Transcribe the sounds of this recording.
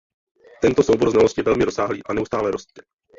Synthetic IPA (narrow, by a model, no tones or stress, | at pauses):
t̪ɛnt̪osowboɾlznalosc̪ʲɪjɛvɛlmɪɾosaːɦlḭːʔanɛust̪aːlɛɾost̪t̪ɛ